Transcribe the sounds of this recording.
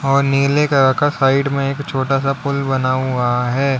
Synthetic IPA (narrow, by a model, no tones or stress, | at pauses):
ɔːɾneːlekaɾɐkasaːɪɖmẽeːkt͡ʃʰoːʈasapʊlbɐnaɦʊaɦɛː